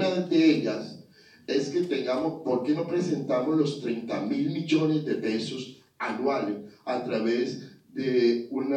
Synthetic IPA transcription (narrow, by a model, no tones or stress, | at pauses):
nad̪e̞eʎas | e̞ske̞t̪e̞ŋɡamo̞spo̞ɾke̞no̞pɾe̞se̞nt̪amo̞zlost̪ɾejnt̪amilmiʝo̞ne̞zd̪e̞pe̞so̞s | anwalesat̪ɾaβe̞zd̪euna